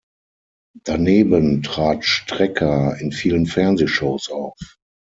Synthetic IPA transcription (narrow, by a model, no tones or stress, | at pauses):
d̥aneːbəntʁ̥aːtʃtʁ̥ɛkʰɐɪnfiːlənfɛɐnzeːʃoʊsʔaʊf